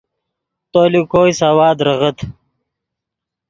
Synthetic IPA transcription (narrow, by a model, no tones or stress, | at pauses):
t̪oːlikoːjsawaːd̪ɾɐʁət̪ʰ